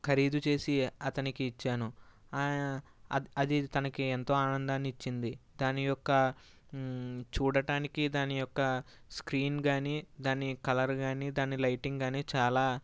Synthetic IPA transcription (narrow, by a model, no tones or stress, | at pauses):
kʰɐɾiːd̪ut͡ʃe̞ːsiɐt̪ɐnikiːt͡ʃːaːnu | ɐd̪it̪ɐnɐkient̪o̞ːaːnɐnd̪aːnit͡ʃːind̪id̪aːnijɔkːɐ | t͡ʃuːɽɐʈaːnikid̪aːnijɔkːɐ | skɾiːnɡaːniːd̪aːnikɐlɐɾɡaːniːd̪aːnilɐjʈiŋɡɡaːniːt͡ʃaːlaː